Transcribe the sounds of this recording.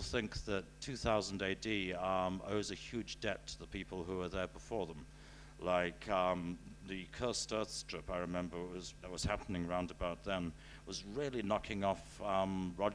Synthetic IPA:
θɪ̃ŋk̚ðɨtʰʉθaʊz̃n̩deɪdĩ | o̰ʊzɨhjʉd͡ʒdɛtʰəðəpʰipl̩ˠɦuə˞ðə˞bəfɔɹðə̃m | laɪkʰʌðɨkʰɜ˞stɜ˞θstʰɹ̥ɪpaɪɹɨmɛ̃mbə˞wʌzðət̚wʌz̥hæpənɪ̃ŋəɹãʊ̃ndəbaʊt̪̚ðə̃n | wʌzɹɪlˠinɑkʰɪ̃ŋɔfʌɹɑ

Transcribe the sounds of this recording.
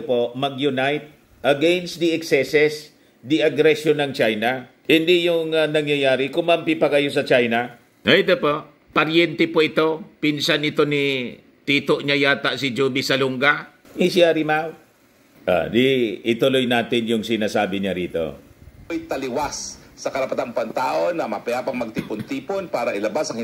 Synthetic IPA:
pomɐɡjʊnajt̪̚ | ʔɐɡɛnsd̪ɪʔɛksɛsɛs | d̪ɪɐɡɾɛsjonɐŋt͡ʃajna | hɪnd̪ijʊŋanɐŋjajaːɾɪkʊmampɪpɐɡɐjos̬ɐt͡ʃajna | ajt̪opoʔ | pɐɾjɛnt̪ɛpoʔɪt̪o̞pɪnsanɪt̪o̞ni | t̪iːt̪oʔɲajaːt̪aʔsɪd͡ʒuːbɪsɐlʊŋɡa | mɪsɪjaɾimaw | ʔo̰d̪ɪɪt̪ʊlojnaːt̪ɪnjʊŋsɪnaːsaːbɪɲaɾiːt̪o̞̰jt̪ɐlɪwasːɐkɐɾɐpɐt̪anpɐŋt̪aːʔonːɐmɐpɛapɐŋmɐɡ̚t̪iːpʊnt̪iːponpaːɾɐʔɪlɐbasɐŋɪ

